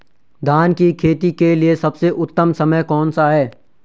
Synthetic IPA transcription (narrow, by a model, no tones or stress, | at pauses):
d̪ʱaːnkikʰeːt̪ikeliesɐbseʔʊt̪ːəmsɐməjkɔːnsaɦɛː